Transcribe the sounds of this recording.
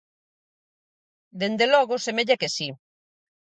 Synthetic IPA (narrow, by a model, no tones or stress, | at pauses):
d̪end̪elɔɣosemeʎakesi